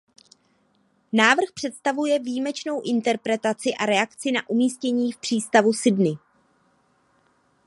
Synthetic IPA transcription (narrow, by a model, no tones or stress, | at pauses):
naːvr̩xpr̥ɛt̪st̪avujɛviːmɛt͡ʃno̞wʔɪnt̪ɛɾpɾɛt̪at͡sɪʔaɾɛakt͡sɪnaʔumiːscɛɲiːfpr̝̥iːst̪avusɪdnɪ